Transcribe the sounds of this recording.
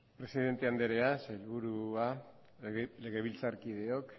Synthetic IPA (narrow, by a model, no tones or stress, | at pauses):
pɾe̞siðe̞nt̪e̞and̪eɾe̞aselβuɾua | le̞ɣe̞βilt͡saɾkið̞e̞ok